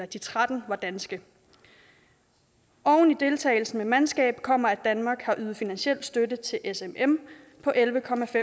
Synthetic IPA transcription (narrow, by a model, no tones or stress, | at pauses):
ɐd̥it͡sʰʁad̥n̩ʋɑ̈d̥ænsɡ̥ə | ʔɒʊn̩id̥e̝lt͡sʰɛ̰ɪl̩sn̩memænsɡ̥ɛ̰ːb̥kʰɒ̽m̰ɐæd̥ænmɑ̈ːɡ̥hɑ̈ʔyːð̩ˠfinænsɕel̰d̥sd̥ødət͡sʰe̝lʔesemem | pʰɒ̽ʔelʋəkʰɒ̽mæfe